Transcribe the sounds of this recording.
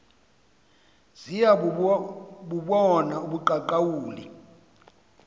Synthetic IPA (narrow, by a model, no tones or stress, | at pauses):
z̥ija | ɓuɓɔnauɓuǃaǃawuːlḭ